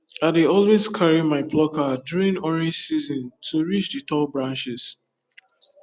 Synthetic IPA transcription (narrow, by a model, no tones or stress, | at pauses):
aɪdeɔlwezkʰaɹimaɪpʰlɔkadjuɹĩnɔɹĩnsizɔ̃ntʰuɹit͡ʃdɨtʰɔbɹãnt͡ʃɪz̥